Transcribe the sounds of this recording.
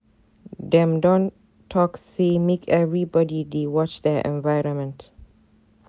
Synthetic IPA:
dɛ̃mdɔ̃n | tʰːɔksemekʰɛvɹibɔdidewɔt͡ʃdɛʔɛ̰̃nvajɹɔ̃nmɛ̃nt

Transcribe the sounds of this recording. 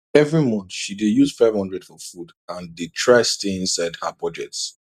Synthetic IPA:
ɛvɹimɔ̃nθʃidejuz̥faɪvhʌ̃ndɹɛdfɔfud | ãndetʰɹaɪsteĩnsaɪdhabɔd͡ʒɛk̚ts

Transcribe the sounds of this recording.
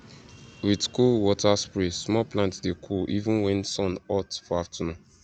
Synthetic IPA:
witkulwɔtaspɹesmɔplãntsdekʰuʔivũnwɛ̃nsɔ̃nɔtfɔaftʰɔnɔ̃

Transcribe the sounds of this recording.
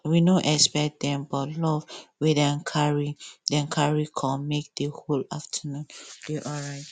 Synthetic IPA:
winoʔɛkspɛdɛ̃mbɔtlɔvwiðãkʰaɹidɛ̃nkʰaɹikʰɔ̃mːek̚deholaftʰənũnd̥eʔɔɹaɪt

